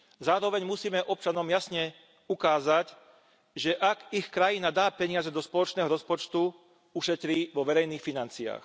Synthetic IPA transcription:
zaːɾɔʋɛɲmusiːmɛʔɔp̚t͡ʃanɔmjasɲɛ | ukaːzac | ʒɛʔaɡixkɾajinad̪aːpɛɲɪazɛd̪ɔspɔlɔt͡ʃnɛːɦɔɾɔspɔt͡ʃt̪u | uʃɛt̪ɾiːʋɔʋɛɾɛjniːxfinant͡sia̰ːx

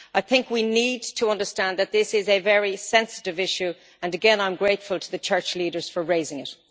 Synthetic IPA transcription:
aɪθɪ̃ŋkwinid̚tʰəʌ̃ndə˞stæ̃nðət̪̚ðɪsɪzɨvɛɹisɛ̃nsə̥ɾɨvɪʃʉ | ə̃nəɡɛ̃nãɪ̃mɡɹeɪtfəlˠtʰəðət͡ʃʰɜ˞t͡ʃliːɾə˞z̥fə˞ɹeɪzɪ̃ŋɪt

